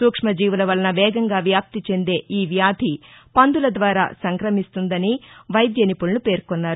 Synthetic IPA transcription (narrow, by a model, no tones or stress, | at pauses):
suːkʂmɐd͡ʒiːʋulɐʋɐlɐnɐʋɛːɡɐŋɡaːʋjaːp̚t̪it͡ʃe̞nd̪e̞ːʔiːʋjaːd̪ʱipɐnd̪ulɐd̪ʋaːɾa̰ːsɐŋkɾɐmist̪und̪ɐniʋɐjd̪jɐnipulnupe̞ːɾkonːaːɾu